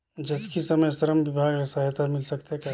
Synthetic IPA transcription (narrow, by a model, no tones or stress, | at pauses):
d͡ʒɐskisɐməjsɐɾəmʋɪbʱaːɡɾɐsaːjt̪amɪlsɐkt̪eɦka